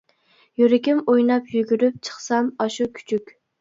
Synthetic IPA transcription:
jyɾɪkʲɪmojnɑpjyɡʲyɾyp̚t͡ʃʰə̥χsɑmɑʃukʲʰy̥t͡ʃʰykʲ

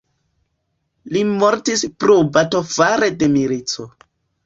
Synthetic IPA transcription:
limoɾtispɾobato̞faɾede̞miɾit͡so

